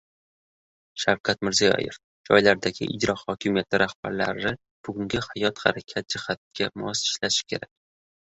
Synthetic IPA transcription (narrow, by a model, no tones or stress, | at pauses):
ʃawkʰat̪mɪɾzijɒ̰jɪf | d͡ʒɒjlaɾd̪aɡʲɪ̰ʔɪd͡ʒɾɒhɒkʲʰɪmijat̪lɪɾahb̥aɾla̰ɾɪ | b̥ʊɡʊŋɡʲɪhajɒt̪haɾakʲʰat̪̚d͡ʒɪhat̪̚kʲʰamɒsɪ̥ʃlaʃɪ̥kʲʰe̞ɾak̚ʲ